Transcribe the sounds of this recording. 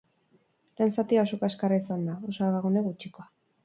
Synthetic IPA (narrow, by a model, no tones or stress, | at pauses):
lensat̪iaosokaskaɾaisand̪aosoaɣaɣuneɣut͡ʃiko̞a